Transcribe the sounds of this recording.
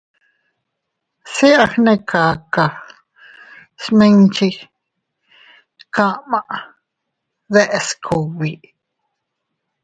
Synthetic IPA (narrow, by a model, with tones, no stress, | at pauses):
si˦ʔa˧hnẽ˦kʰaː˨ka˨ | smĩ˦nt͡ʃi˦ | kã˦ʔmã˨ʔ | ðe˦ʔe˧skʰo˨βi˨ʔ